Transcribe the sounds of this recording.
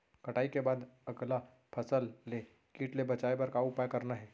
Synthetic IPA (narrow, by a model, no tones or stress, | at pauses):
kɐʈaːikebaːd̪ɐɡla | pʰɐsəlːe | kiːʈlebɐt͡ʃaːebɐɾkaʊpaːjkɐɾnaɦɛː